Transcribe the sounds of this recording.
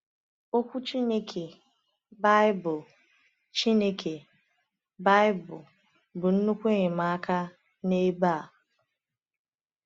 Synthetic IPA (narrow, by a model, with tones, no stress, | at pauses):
o˦kʷu˦t͡ʃi˦ne˦kʰe˨ | ba˦ɪ˦bʊ˨ | t͡ʃi˦ne˦ke˨ | ba˦ɪ˦bʊ˨ | bʊ˨n̩˦nu˦kʷe˦ɣɪ˨ma˦a˦ka˦ | ne˦ba˦˨